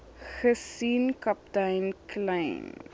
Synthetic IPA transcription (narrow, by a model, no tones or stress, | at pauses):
χəsinkɐp̚tɐjnklɐjn